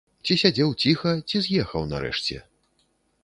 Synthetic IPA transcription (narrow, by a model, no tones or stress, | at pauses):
t͡sʲisʲad͡zʲɛwt͡sʲixɐt͡sʲizʲjɛxɐ̰wnɐ̰ɾɛ̰ʂt͡sʲɛ̰